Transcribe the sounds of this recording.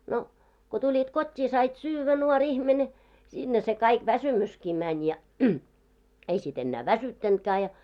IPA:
no ko tulʲit kotʲːiː sɑit syːʋːæ nuorʲ ihmene sinːe se kɑik ʋæsymyski mænʲ jɑ ei sit enːæː ʋæsytːæntkæː jɑ

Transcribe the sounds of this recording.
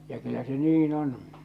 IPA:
jɑ kylːæ se niːn on

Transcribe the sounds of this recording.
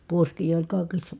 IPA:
puoskiː olʲ kɑˑi̯kisːɑ

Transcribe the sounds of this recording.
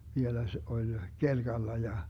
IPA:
ʋielæ se olʲ kelɡ̊ɑlːɑ jɑ

